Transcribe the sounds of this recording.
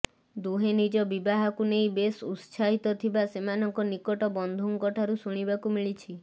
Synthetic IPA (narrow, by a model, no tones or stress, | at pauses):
d̪uɦenid͡ʒɔbibaɦakunejbesut̪saɦit̪ɔt̪ʰibasemanɔŋkɔnikɔʈɔbɔnd̪ʱuŋkɔʈʰaɾusuɽ̃ibakumiɭit͡ʃʰi